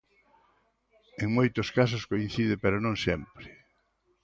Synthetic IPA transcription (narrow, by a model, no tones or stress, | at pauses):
eŋmojt̪ʊskas̬ʊskoin̟θiðɪpeɾonõŋsɛmpɾɪ